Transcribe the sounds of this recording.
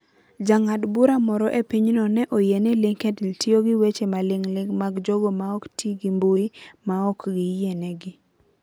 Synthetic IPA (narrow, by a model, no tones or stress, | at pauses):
d͡ʒaŋadbuɾamɔɾɔʔepiɲnɔnɛʔojenɛlɪŋkɛdɪltɪoɡɪwet͡ʃemalɪŋlɪŋmaɡd͡ʒɔɡɔmaɔktʰiɡimboimaɔkɡɪjenɛɡɪ